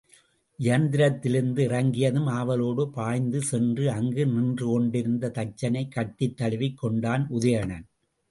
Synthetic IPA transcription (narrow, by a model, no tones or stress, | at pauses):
ʔɪjɐnd̪ɪɾɐt̪ːɪlɯnd̪ɯɪrɐŋɡɪjɐðɯmaːʋɐloːɽɯpaːjnd̪ɯsɛndrɯɐŋɡɯnɪndrɯkɔɳɖɪɾɯnd̪ɐt̪ɐt͡ʃːɐnɐɪkːɐʈːɪt̪ːɐɭɪʋɪkːɔɳɖaːnʊðɐjɐɳɐn